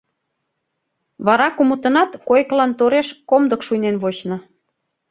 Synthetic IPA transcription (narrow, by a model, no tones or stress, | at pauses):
βɑɾɑkumət̪ə̆nɑt̪kojklɑnt̪oɾeʃkomd̪əkʃujnenβot͡ɕnŏ